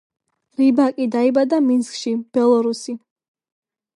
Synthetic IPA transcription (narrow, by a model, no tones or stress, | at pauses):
ɾibakʼid̪aibad̪aminskʼʃib̥ɛlˠɔɾusi